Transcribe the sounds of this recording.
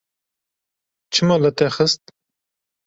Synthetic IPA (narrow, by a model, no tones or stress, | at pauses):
t͡ʃʰɨmɑlɨt̪ɛxəst̪̚